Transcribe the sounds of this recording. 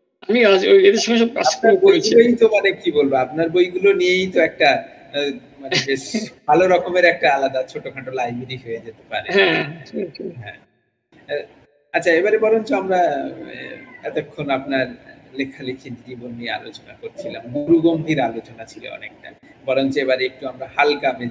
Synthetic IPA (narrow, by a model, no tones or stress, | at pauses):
amiaed̪eɾʃɔŋeʃɔb̚kaakaɾbojɡulojt̪omanekibolbeapnaɾbojɡulonijejt̪oɛk̚ʈa | manebeʃbʱaloɾɔkomeɾɛk̚ʈaalad̪at͡ɕʰoʈokʰaʈolajbeɾiɦojed͡ʑet̪epaɾeɦɛ̃ | ɦɛ̰̃ | atːt͡ɕʰaebaɾebɔɾont͡ɕoamɾa | ɛt̪okʰːonapnaɾlekʰalekʰed͡ʑd͡ʑibonːiea̰lot͡ɕonakoɾt͡ɕʰilamɡ̪uɾuɡombʱiɾalot͡ɕonat͡ɕʰilḛɔ̰nek̚ʈa̰ | bɔɾont͡ɕoebaɾeek̚ʈuamɾahalkame